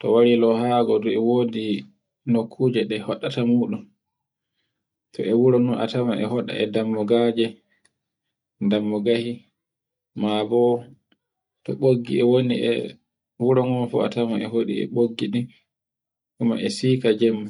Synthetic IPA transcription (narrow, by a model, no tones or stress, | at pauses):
tɔ̰waɾilɔhaɡɔdɔɛwoːdi | nokʰːud͡ʒɛɗɛhɔɗatamuːɗun | tʰɔɛwuɾɔnunʔa̰tamaʔɛ̰hɔɗa̰ɛdamːɔɡad͡ʒɛ | damːɔɡahi | mabɔ | tɔɓoɡːḭɛwoniɛ̰ | wuɾɔŋɔnfɔ̰a̰tamaɛhoɗḭɛ̰ɓoɡːiɗi | ʔuma̰ʔɛsiːkad͡ʒɛmː